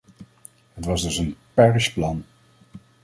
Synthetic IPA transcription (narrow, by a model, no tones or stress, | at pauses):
ɦətʋɑzdɵsənpɛɹsplɑn